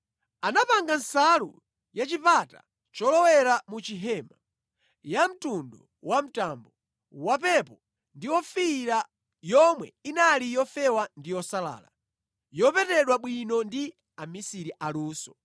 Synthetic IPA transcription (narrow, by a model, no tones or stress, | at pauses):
anapaŋɡansalṵ | jat͡ʃipata̰ | t͡ʃɔlɔwɛɾamut͡ʃiɦɛma | jam̩tundɔ | wam̩tambɔ | wapɛpɔ | ndiwɔfiɾa | jɔmwɛinalijɔfɛwandijɔsala̰ːla̰ | jɔpɛtɛɗwaɓwinɔndi | amisiɾiʔaluːsɔ̥